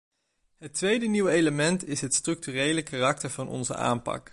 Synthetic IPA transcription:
ɦətʋejdəniwejləmɛntɪsɦətstrɵk̚tyːrejləkaːrɑk̚təɹvɑnʔɔ̰nzə̰ʔa̰ːmpɑ̰k

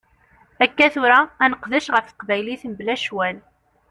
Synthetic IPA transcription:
ækːæθʊɾaːnəqðəʃʁəfθə̥qvæjliθənblæʃwæl

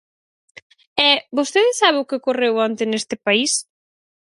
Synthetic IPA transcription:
ɛbost̪eðɪsaβeʊkɪkorewɔnt̪ɪnest̪ɪpais

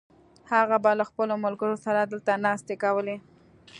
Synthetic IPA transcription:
haɣabalaxpəlomʊlɡəɾosaɾad̪əlt̪anɑst̪ekawəle

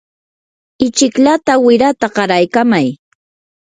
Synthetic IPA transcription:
ɪt͡ʃɪkʎat̪awɪɾat̪aɢɑɾajkamaj

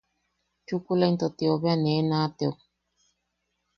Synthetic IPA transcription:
t͡ʃukulaint̪ot̪ioβeanenat̪eo

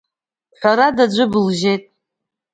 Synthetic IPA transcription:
ħʷᶣaɾadad͡ʒʷɨbɨlʒe̞jtʼ

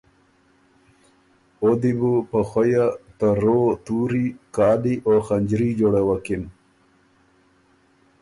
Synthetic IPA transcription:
od̪ibupəxajat̪aɾoːt̪uːɾikɑːd̪iʔoxaɲd͡ʑɾid͡ʒoɽewakin

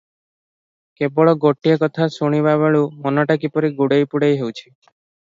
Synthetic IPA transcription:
kebɔɭɔɡoʈijekɔt̪ʰasoɽ̃iβaβeɭumɔnɔʈakipɔɾiɡuɽejpuɽejɦewt͡ʃʰi̥

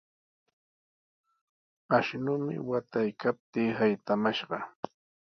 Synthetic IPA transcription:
aʃnʊmɪ̰wat̪ajkap̚t̪iːhajt̪amaʃɢɑ

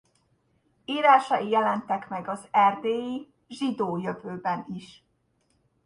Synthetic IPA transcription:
iːɾaːʃɒijɛlɛnt̪ɛkmɛɡɒzɛrd̪eːji | ʒid̪oːjøvøːbɛniʃ

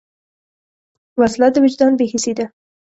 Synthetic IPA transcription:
waslat̪ːəwɪd͡ʒd̪ɑnbehised̪a

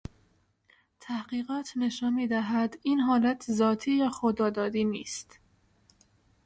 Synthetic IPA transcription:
t̪ʰæhɢiːɢɒːt̪ʰne̞ʃɒːnmiːd̪æɦæd̪iːnɦɒːlæt̪ʰzɒːt̪ʰiːjæːxod̪ɒːd̪ɒːd̪iːnḭːst̪

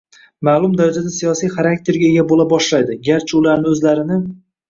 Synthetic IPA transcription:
maːlˠʊmd̪aɾad͡ʒad̪asijɒsijχaɾak̚t̪ʰe̞ɾɡʲaeɡʲabolabɒʃlajd̪ɪɡʲaɾt͡ʃʰɪʊlaɾnɪɵzlaɾɪnɪ

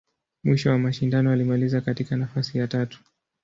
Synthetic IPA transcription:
mwiʃɔwamaʃindanɔalimalizakatikanafasijatatu̥

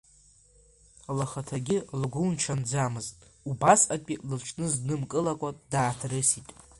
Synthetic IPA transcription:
alaχatʰaɡʲɪlɡʷunt͡ʃʰand͡zamɨztʼubasakʲʷʼilɨlt͡ʃʰnɨznɨmkʼɨlakʷʼadaːtʰrɨsitʼ

